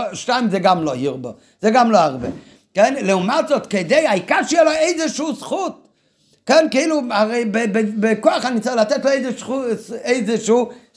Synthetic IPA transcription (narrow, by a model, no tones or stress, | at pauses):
ʃtaɪmzɛɡamlohiʁbo | z̥ɛɡamloaʁbɛ̰ | kɛnlɛumatzɔt̪kedeɪaikaʁʃəjeloeɪzeʃuːsχut̪̚ | kɛnkeiːluaʁeɪbebebekoaχanit͡sɪχlat̪ɛtloeɪzeʃueɪzeʃuː